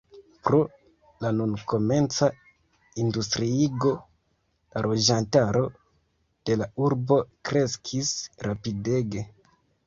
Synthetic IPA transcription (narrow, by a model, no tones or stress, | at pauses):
pɾo̞ | lanunko̞me̞nt͡sa | industɾiiɡo̞ | lalʔo̞d͡ʒantaɾo̞ | d̥e̞lauɾbo̞kɾe̞skʰisɾapide̞ɡe̞